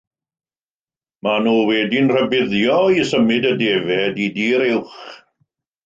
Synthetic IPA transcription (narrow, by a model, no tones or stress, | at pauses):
manuːwɛdinr̥əbɪðjɔisəmɪdədeːvɛdidiːɾɪwχ